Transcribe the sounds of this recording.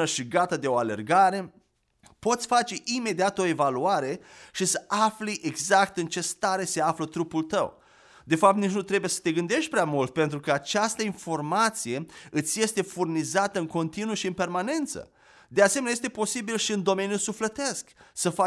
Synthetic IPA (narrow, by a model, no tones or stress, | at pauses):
əʃiɡat̪ad̪e̞o̞ale̞̰rɡaɾe̞ | po̞t̪sʲfat͡ʃe̞ʔime̞d̪iat̪o̞e̞valuaɾe̞ʃisəʔaflijʔeɡzakt̪ɨnt͡ʃe̞st̪aɾe̞se̞aflət̪ɾupult̪ə̰w | d̪e̞fap̚t̪nit͡ʃʲnut̪ɾebujesə̥t̪e̞ɡɨnd̪e̞ʃt̪̚ʲpɾeamult̪̚pe̞nt̪ɾukəat͡ʃast̪əinfo̞rmat̪sije̞ɨt̪sʲje̞st̪e̞furnizat̪əɨŋko̞nt̪inuəʃiɨnpe̞rmane̞nt̪sə̰ | d̪ease̞menajest̪e̞po̞sibilʃiɨnd̪o̞me̞njusuflet̪e̞sksəfa